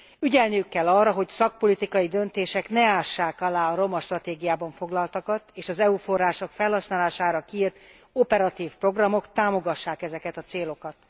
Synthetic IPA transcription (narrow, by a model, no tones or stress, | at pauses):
yɟɛlnijykːɛlːɒrːɒɦo̞csɒk̚po̞lit̪ikɒjid̪ø̞nt̪eːʃɛknɛaːʃːaːkɒlaːɒɾo̞mɒʃt̪rɒt̪eːɡijaːbɒɱfo̞ɡlɒlt̪ɒkɒt̪eːʃɒzɛufo̞rːaːʃo̞kfɛlhɒsnaːlaːʃaːɾɒkiiːrt̪ | o̞pɛɾɒt̪iːfpro̞ɡrɒmo̞kt̪aːmo̞ɡɒʃːaːkɛzɛkɛt̪ɒt̪seːlo̞kɒt̪